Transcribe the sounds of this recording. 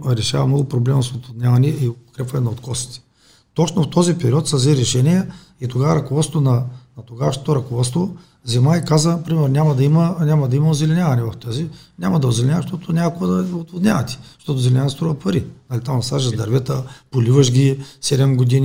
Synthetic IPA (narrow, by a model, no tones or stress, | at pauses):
ɾɛʃa̰vɐmnɔɡʊpɾoblɛmɐsot̪vod̪nʲjavɐnɛiokɾɛpvɐnɛnɐot̪kɔsi̥t̪ɛ̥ | t̪ɔt͡ʃnoft̪ɔzipɛɾiɔt̪sɐzɛɾɛʃɛniɛ | it̪oɡavɐɾɐkovɔt̪t̪ʊnɐnɐt̪oɡaʃnot̪oɾɐkovɔst̪vo | zɛmaikazəpɾimɛɾnʲamɐd̪ɐimɐnʲamɐd̪ɐimɐozɛlɛnʲavɐnɛvɐft̪ɔzinʲamɐd̪ɐozɛlɛnʲavɐʃt̪ɔt̪ʊnʲakkovəd̪ɐot̪vod̪nʲa̰vɐt̪i̥ʃt̪ɔt̪ʊzɛlʲɛnʲavɐt̪ɛst̪ɾuvəpɐɾinɐlit̪amɐsaʒəzd̪ɐɾvɛt̪əpolivəʃɡʲisɛd̪ɛmɡod̪in